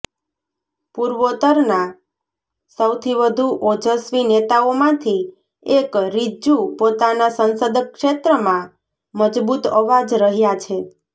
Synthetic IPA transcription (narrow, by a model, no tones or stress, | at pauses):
puɾʋot̪əɾna | səwt̪ʰiʋəd̪ʱuʔod͡ʒʱəsʋinet̪aomãt̪ʰi | ekɾid͡ʒupot̪anasənsəd̪kʃet̪ɾəmã | məd͡ʒbut̪əʋad͡ʒɾəɦjat͡ʃʰe